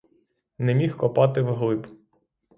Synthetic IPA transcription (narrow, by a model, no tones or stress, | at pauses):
nɛmʲixkɔpɑt̪ɪwɦlˠɪb